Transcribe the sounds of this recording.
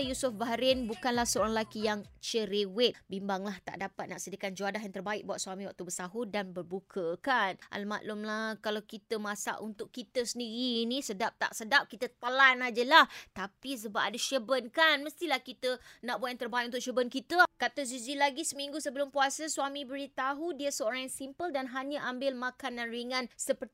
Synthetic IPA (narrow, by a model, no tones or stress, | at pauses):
jusʊfbaɦɾɪnbukanlahsəoɾaŋlakijaŋt͡ʃəɾewɪt̪̚bimbaŋlaht̪a̰ʔdapat̪̚naʔsədiəkand͡ʒuadaɦjaŋt̪ərbaɪk̚buat̪suamiwak̚t̪ubəsaɦudanbərbukʰəkanʔa̰lma̰ʔlʊmlahkalawkit̪əmasa̰ʔunt̪ʊkːit̪əsəndiɾiːnisədap̚t̪a̰ʔsədap̚kit̪ət̪̚əlanad͡ʒəlaht̪apis̬əbap̚adəʃəbənkanməst̪ilahkit̪ənãʔ̚boɛnt̪ərbaiʔ̚unt̪ʊk̚ʃəbənkit̪əkat̪əzuzilaɡisəmiŋɡusəbəlʊmpuasəswamibəɾit̪aɦudiəsəoɾaŋjasimpəldanɦaɲaʔambɪlmakandanɾiŋãnsəpər